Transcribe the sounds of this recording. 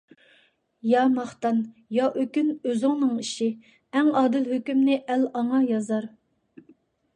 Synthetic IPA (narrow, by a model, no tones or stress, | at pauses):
jɑmɑχt̪ɑnjɑʔøkʲynøzɪŋnɨŋiʃi | ɛŋɑːd̪ɨlɦøkʲymnɪʔælɑŋɑjɑzɑɾ